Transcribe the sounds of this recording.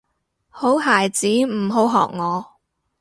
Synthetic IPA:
ho˨˥wɦaː˨˩jt͡siː˨˥m̩˨˩ɦo˨˥wɦɔ̰ː˨k̚ŋɔː˨˧

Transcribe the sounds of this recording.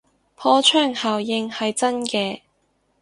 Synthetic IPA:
pʰɔː˧˥t͡ʃʰœː˥˩ŋhaː˨wjɪ˧ŋhɐ˨jt͡sɐ˥nkɛː˧

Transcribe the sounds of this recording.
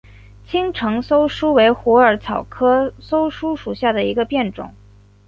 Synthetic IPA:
t͡ɕʰi˥ŋʈ͡ʂʰɤ˧˥ŋso˥ʊʂu˥we˧˥ɪxwɔ˧˥ə˞˧˥t͡sʰɑ˨˩ʊkʰɤ˥so˥ʊʂu˥ʂu˨˩ɕja˥˩d̪ə˩i˧˥ɡə˧pjɛ˥˩nʈ͡ʂʊ̰˨˩˦ŋ

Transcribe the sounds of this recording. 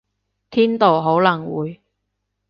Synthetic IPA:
t̪ʰiː˥nt̪o˨wɦo˨˥wlɐ˨˩ŋwuː˨˧j

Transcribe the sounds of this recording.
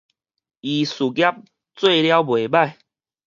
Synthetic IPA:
i˨su˨˩ɡja˦p̚ | t͡swe˥˧lja˦ʊbwe˨˩ba˥˧˨j

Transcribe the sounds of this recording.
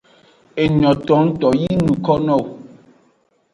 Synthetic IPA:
e˨ɲɔ̃˨tɔ˨˦n̩˦tɔ˨ji˦nũ˨kɔ˦nɔ̃˦˨w

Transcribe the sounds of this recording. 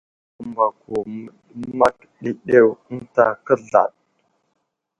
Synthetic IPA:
u˨mba˨ku˨ə˦ɗma˦k | ɗi˨ɗe˦wn̩˦ta˨kə˦ɮa̰˨ɗ̚

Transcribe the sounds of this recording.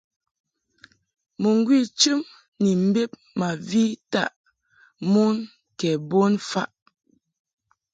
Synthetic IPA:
mu˨ŋ˦ɡwi˦˨t͡ʃɨ˦m | ni˨m̩˦be˦p̚ | ma˨vi˦ta̰˦˨ʔ | mu˦n | kɛ˨bo˦nfa˦ʔ

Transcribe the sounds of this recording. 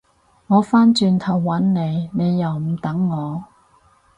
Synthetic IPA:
ŋɔː˨˧faː˥nt͡ʃyː˧nt̪ʰɐ˨˩wːɐ˨˥nne˨˧jne˨˧jːɐ˨˩wm̩˨˩t̪ɐ˨˥ŋːɔː˨˧

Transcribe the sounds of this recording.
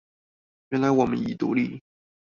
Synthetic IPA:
ɥɛ˧˥nla˧˥ɪwɔ˨˩mə̰˦ni˨˩t̪ṵ˧˥li˥˩

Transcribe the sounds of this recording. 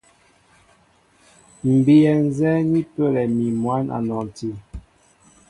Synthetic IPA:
m̩˨bi˨ɛ˨n˦zɛ˦ni˦pə˦˨lɛ˨mi˨mwa˦na̰˨nɔ˨n˨ti˨

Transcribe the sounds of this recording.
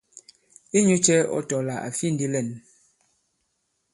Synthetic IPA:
i˦ɲu˦t͡ʃɛ˦ɔ̰˦tɔ˨la˨ʔa̰˨fi˦˨n̩˦di˦lɛ˦˨n

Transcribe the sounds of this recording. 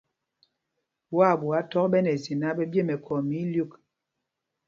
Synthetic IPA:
bwa˦˨bu˨a˦tɔ˦k̚ɓɛ˦nɛ˨zi˨na˦ɓɛ˦bje˦˨mɛ˨kʰɔ˨mi˨˦lju˦˨k

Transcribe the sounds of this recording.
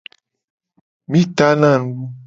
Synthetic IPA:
mĩ˦t̪a˦nã˦˨n˦ɡu˦

